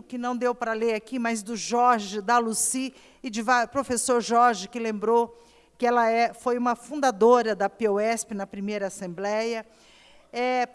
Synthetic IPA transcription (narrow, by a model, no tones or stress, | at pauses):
ʊkɪnɐ̃w̃d̪ewpɾɐleɾakimajzd̪ʊʒɔɾʒɪd̪ɐlusi | ɪd͡ʒɪvaɾpɾofesoɾʒɔɾʒɪkɪlẽmbɾo | kɪɛlɐɛfojũmɐfũnd̪ad̪oɾɐd̪ɐpeoɛspɪnɐpɾimejɾɐasẽmblɛjɐ | ɛ